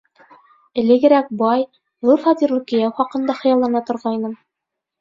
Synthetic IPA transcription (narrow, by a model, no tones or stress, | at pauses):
ɘ̆lɘ̆ɡɘ̆ɾæk̚bɑj | ʁɤlˠfɑd̪iɾlˠukĭjæwχɑqɤ̆nd̪ɑχɤ̆jɑlˠːɑnɑt̪ŏɾʁɑjnɤm